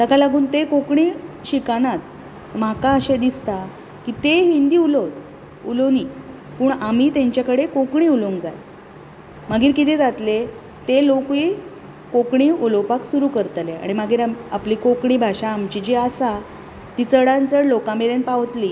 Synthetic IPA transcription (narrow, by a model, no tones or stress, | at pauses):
t̪əkalaɡuːnt̪ekokɳiɕikanat̪ | makaəɕed̪ist̪a | kit̪eɦind̪iːulot̪ | uloni | puɳam̤iːt̪eɲt͡ɕjakəɽekokɳiːuloŋɡd͡zaj | maɡʱiːɾkit̪ʰed͡zat̪le | t̪elokʋi | kokɳiːulopaksuɾuːkəɾt̪lea̰ɽ̃imaɡiːɾaapliːkokɳiːbʱaɕaːmt͡ɕid͡ʑeasa | t̪iːt͡səɽant͡səɾlokãmeɾenpaʋt̪liː